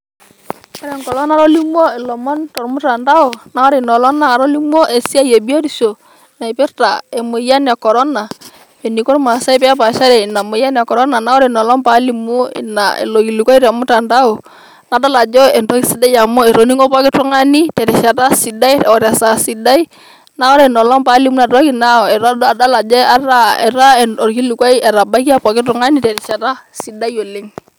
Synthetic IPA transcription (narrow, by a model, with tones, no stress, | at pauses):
ka˦ɾɛ˨ŋkɔ˨lɔ˦na˦ɾɔ˦li˦m˦ɔ˦ɪ˨lɔ˨mɔ˦ntɔ˨ɾmʊ˦ta˨nda˦o˨na˨˦ɔ˦ɾɪ˨nɔ˨lɔ˦na˦a˨ɾɔ˦li˦mɔ˦ʔe˨si˦a˦je˨bi˦o˦ɾi˨ʃo˨ | na˨i˨pɪ˦ɾta˨e˨mʊ˨ja˦n˨a˨kɔ˨ɾɔ˦na˨ | e˨ni˨kɔ˦ɾma˨sa˦ɪ˦p̬ɛ˦a˦p̬a˨ʃa˦ɾɛ˨i˨na˨mʊ˨ja˦n˨a˨kɔ˨ɾɔ˦na˨na˦ɔ˦ɾɪ˨nɔ˨lɔ˦mpa˦li˨mu˦ɪ̰˨na̰˨ḛ˨lo˨ki˨li˨kɔ˦i˦ɾa˨mʊ˦ta˨nda˦o˨ | na˨da˦la˨d͡ʒɔ˦ɛ˨ntɔ˦kisi˦da˦ja˨mɔ˦ɛ˨ɾɔ˨ni˦ŋɔ˦pa˦kɪ˦tɾɔ˦ŋa˦ni˦tɛ˨ɾɛ˨ʃa˨ta˦si˨da˦jɔ˨ɾa˨sa˨si˨da˦i | na˦ɔ˦ɾɛnɔ˨lɔ˦mpa˦li˦mu˦na˨ɾɔ˦ki˨na˦ɔ˨ɛ˨ɾda˦la˨d͡ʒɔ˦aɾa˦ɛ˨ɾa˦ɛɔ˨ɾki˦lu˨kwa˦jɛ˨ɾa˨ba˦iki˦a˦pa˨kɪ˦tɾɔ˨ŋa˦ni˦tɛ˨ɾɛ˨sa˨ta˦si˨da˦jo˨li˦ŋ